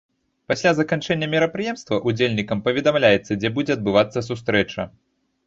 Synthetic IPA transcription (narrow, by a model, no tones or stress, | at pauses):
pasʲlʲazɐkant͡ʂɛnʲːɐmʲiɾɐpɾɨjɛmst̪vɐʔud͡zʲelʲnʲikɐmpɐvʲɛd̪amlʲajɛt̪sːɐd͡zʲɛbud͡zʲɛɐd̪̚bɨvat̪sːɐs̬ust̪ɾɛt͡ʂɐ̰